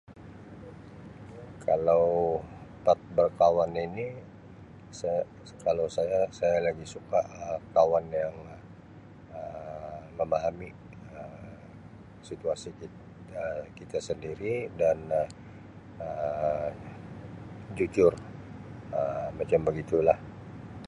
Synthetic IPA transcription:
kʰalawpat̪̚bərkawanini | sə | kalawsajasajalaɡisukaʔəkawanjaŋ | əməmaɦami | ə | sit̪uasiki | əkit̪asəndiɾidanh | ə | d͡ʒud͡ʒʊr | əmat͡ʃambəɡit̪ulah

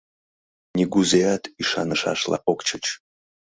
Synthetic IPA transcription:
nʲiɡuzejat̪iʃa̰nəʃa̰ʃlˠa̰ʔokt͡ʃʰət͡ʃ

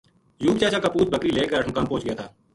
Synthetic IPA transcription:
juːbt͡ʃaːt͡ʃaːkaːpuːt͡ʃbəkɾiːleːkəɾəʈʰmʊkaːmpõːt͡ʃɡəjaːt̪ʰaː

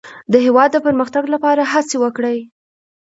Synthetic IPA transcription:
d̪əɦewɑd̪̚ːəpəɾməxt̪aɡlapɑɾaɦat͡sewəkɽəj

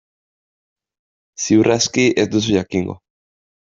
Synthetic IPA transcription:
siwraskiʔezd̪us̬uʝakiŋɡo̰

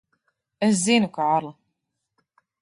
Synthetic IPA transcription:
æzːinəkʷːʕɑɾˤ

